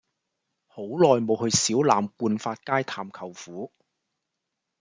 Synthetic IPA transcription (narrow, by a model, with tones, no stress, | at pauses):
ho˨˥wlɔː˨jmo˨˧whɵ˧ɥsiː˨˥wlaː˨˩mkuː˧nfaː˧t̚kaː˥jt̪ʰaː˨˩mkʰɐ˨˩wfuː˨˥